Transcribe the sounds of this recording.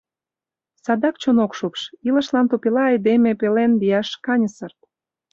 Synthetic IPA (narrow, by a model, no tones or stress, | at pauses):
sɑd̪ɑkt͡ɕonokʃupʃilə̆ʃlɑnt̪opilɑɑjd̪emepelenliɑʃkɑnʲəsərt̪̚